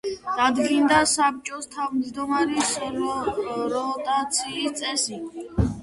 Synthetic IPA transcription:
d̪̥ad̪ɡind̪asap̚t͡ʃʼɔst̪ʰavmzd̪ɔmaɾis | ɾɔt̪ʼat̪sʰiːst̪sʼɛsi

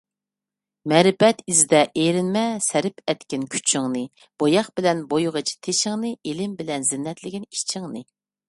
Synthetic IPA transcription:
mɛɾɪpɛt̪izd̪ɛʔeɾɪnmɛsæɾɪpʰɛt̪kʲɪnkʲʰy̥t͡ʃʰɪŋnɨ | b̥ojɑχbɪlɛnbojʁət͡ʃʰi̥t̪ʰeʃɪŋnɨelɪmbɪlɛnzɪnːɛt̪lɪɡʲinit͡ʃʰɪŋnɨ

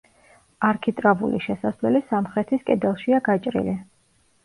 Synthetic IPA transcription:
aɾkʰit̪ʼɾavṵliʃɛsaslɛlisamχɾɛt̪ʰiskʼɛd̪ɛlˠʃiaɡat͡ʃʼɾḭli

